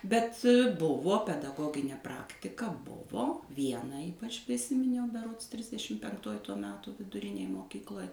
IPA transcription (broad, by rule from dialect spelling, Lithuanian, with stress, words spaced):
bʲɛt ˈbʊʋoː pʲɛdɐˈɡoːɡʲɪnʲeː ˈprɑːktʲɪkɐ ˈbʊʋoː ˈʋʲiɛnɐ ˈiːpɐt͡ʃ pʲrʲɪˈsʲɪmʲɪnʲɛʊ bʲɛˈroːts ˈtʲrʲɪzʲdʲɛʃʲɪm pʲɛŋkˈtoːj ˈtoː ˈmʲæːtoː ʋʲɪdʊˈrʲɪnʲeːj moːˈkʲiːklˠoːj